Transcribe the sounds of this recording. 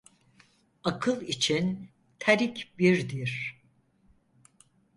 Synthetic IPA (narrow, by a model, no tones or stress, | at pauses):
akʰɯlˠit͡ʃʰin | t̪ʰaɾicbiɾd̪iɾ̥